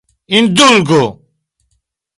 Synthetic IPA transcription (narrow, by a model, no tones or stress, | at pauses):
ind̪ulɡo